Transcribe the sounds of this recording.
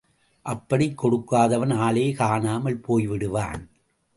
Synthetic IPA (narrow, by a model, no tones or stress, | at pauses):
ʔɐpːɐɽɪkːɔɽɯkːaːðɐʋɐnaːleːkaːnaːmɐɭpoːjʋɪɽɯʋa̰ːn